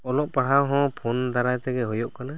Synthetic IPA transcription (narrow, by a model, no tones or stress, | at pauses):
ɔlɔʔpaɽ̤awɦɔ̃pʰond̪aɾajt̪ɛɡɛɦɔjɔʔkana